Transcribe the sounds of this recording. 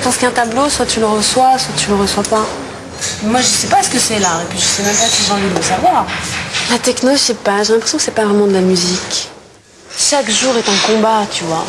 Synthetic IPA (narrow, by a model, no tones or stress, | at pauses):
ʒəpɑ̃skɛ̃t̪abloswat̪yləʁəswaswat̪yləʁəswapa | mwaʒəsɛpasə̥kəsɛlaʁepɥiʒəsɛmɛ̃mpat̪yvɑ̃vid̪ələsavwaːʁlat̪ɛknoʒɛpaʒelɛ̃pχesjɔ̃kə̥sɛpavʁɛmɑ̃d̪əlamyzik | ʃakʒuʁɛt̪ɛ̃kɔ̃bat̪yvwa